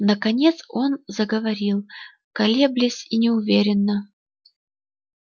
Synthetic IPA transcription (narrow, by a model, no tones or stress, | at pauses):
nəkɐnʲet̪so̞nzəɡəvɐɾʲilˠ | kɐlʲe̞blʲɪsʲinʲɪʊvʲeɾʲɪnːə